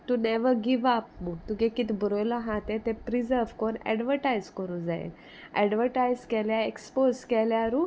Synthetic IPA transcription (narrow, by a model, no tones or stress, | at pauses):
ʈunɛʋəɾɡiʋap̚mut̪ukekit̪bəɾojlaɦãt̪et̪epɾizəɾʋkonɛ̰ɖʋəɾʈajzkəɾũːnd͡zaḛ | ɛ̰ɖʋəɾʈajzkɛljaeksposkɛljaɾu